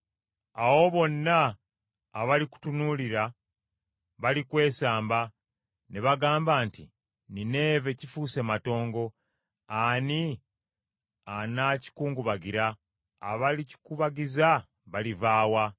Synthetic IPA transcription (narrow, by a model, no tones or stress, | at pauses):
awo̞βo̞nːaː | βaliku̥tunuliɾa | βalikwe̞ːsaːmba | neβaɡaːmbaːnti | nine̞ːve̞cifuse̞mato̞ːŋɡo̞ | ani | anaci̥kuːŋɡuβaɡiɾaː | βalici̥kuβaɡiza | βalivaːwa